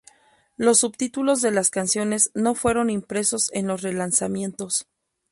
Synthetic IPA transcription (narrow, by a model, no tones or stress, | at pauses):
lo̞sːubt̪it̪ulo̞zðe̞laskansjo̞ne̞zno̞fwe̞ɾo̞nimpɾe̞so̞se̞nlo̞sre̞lansamjẽ̞nt̪o̞s